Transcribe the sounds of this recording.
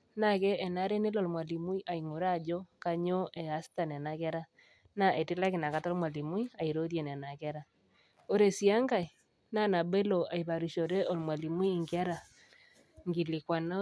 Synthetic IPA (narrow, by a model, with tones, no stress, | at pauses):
na˦˨kɛ˦ʔɛ˨na˦ɾe˦ne˦lɔ˨lmwa˨li˨mu˦i˦ʔa˨i˨ŋo˨ɾa˦˨d͡ʒo˦ka˦ɲo˦ʔɛ˨a˦sta˨n˨ɛ˨na˨kɛ˦ɾa˦ | na˦˨ʔe˨tɪ˦la˦kɪ˨na˨ka˦tɔ˦lmwa˨li˨mu˦i˦a˨i˨ɾo˦ðɛ˨n˨ɛ˨na˨kɛ˦ɾa˦ | o˦ɾe˨si˨˦a˦ŋɡa˨i˨ | na˦na˨be˦lo˨a˨i˨βa˨ɾi˨ʃo˨ɾe˦ɔ˨lmwa˨li˨mu˦i˦˨ŋɡa˦ɾa˨ | ŋɡi˨lɪ˨kwa˨na˦